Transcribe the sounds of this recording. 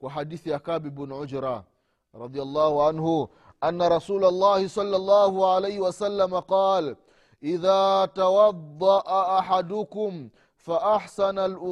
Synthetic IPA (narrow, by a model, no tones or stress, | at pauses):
kwaħadiːθijakaːbibnʕʊd͡ʒɾa | ɾˤɑd̪ijalˤːɑːhuʕanhu | ʔanːaɾˤɑsuːlalˤːɑːhisˤɑlːɑlˤːɑːhuʕalejhiwasalːamaqɑːl | ʔiðaːtawɑd̪ˤːɑʔaaħad̪ʊkʊm | faʔaħsanalʔʊ